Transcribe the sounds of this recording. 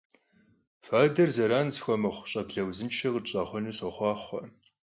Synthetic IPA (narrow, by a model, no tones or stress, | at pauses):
faːdɐrzɐɾaːnzxʷɔmɐχʷʊɕʼɐbɮɐwzɨnt͡ʃʰɐʁət͡ʃʼaːχʷɔnuɕɐχʷɑːχʷɔ̰